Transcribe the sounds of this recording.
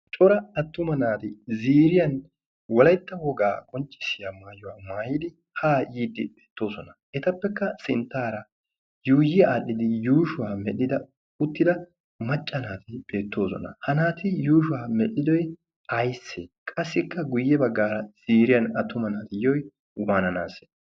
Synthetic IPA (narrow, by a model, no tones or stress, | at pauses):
t͡ʃʼɔɾɐɐt̪ːʊmɐnaːt̪ɪziːɾɪjɐn | wɔlɐjt̪ːɐwɔɡaːɡʼɔnt͡ʃʼːɪ̥sɪjamaːjʊwaːmaːjɪd̪ɪ | haːjiːd̪ːɪbeːt̪ːo̞ːsɔnɐ | ɛt̪ɐpːɛkːɐsɪnt̪ːaːɾɐ | juːjɪaːɗɪd̪ɪjuːʃʊwaːmɛɗɪd̪ɐ | ʊt̪ːɪd̪ɐ | mɐt͡ʃʼːɐnaːt̪ɪbe̞ːt̪ːo̞ːsɔ̰nɐ̰hɐnaːt̪ɪjuːʃʊwaːmɛʔɪd̪ɔj | ɐjsːekʼɐsːɪkːɐɡʊjːɛbɐɡːaːɾɐz̥iːɾɪjɐnɐt̪ːʊmɐnaːt̪ɪjɔj | waːnɐnaːsɛ̥